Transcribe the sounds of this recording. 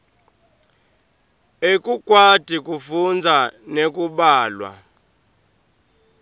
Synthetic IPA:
ekʼukʼwad̥ʱikʼufund͡zʱanekʼuɓaːlwa̰

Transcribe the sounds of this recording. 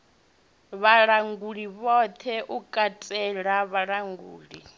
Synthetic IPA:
βaɺaŋɡuɺiβɔt̪ʰɛʔukʼatʼɛɺaβaɺaŋɡṵːɺi

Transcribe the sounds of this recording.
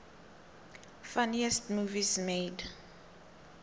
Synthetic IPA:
fanɛstmuːvismeːd

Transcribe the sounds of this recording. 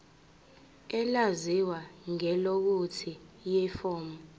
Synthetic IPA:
ɛlaziwaŋɛlok̬utʰijɛfɔːmɔ

